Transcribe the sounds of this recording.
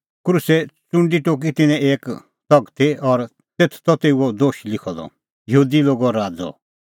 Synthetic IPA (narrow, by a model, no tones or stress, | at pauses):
kɾuːsɛt͡sʊ̃ɳɖiʈoːk̬it̪ɪnɛ̃eːk | t̪ɔɡt̪ʰiɔɾ | t̪eːt̪ʰt̪ɔt̪euɔd̪oːʃlɪkʰɔd̪ɔ̰ | jɐɦuːd̪iloːɡɔɾaːd͡zɔ̰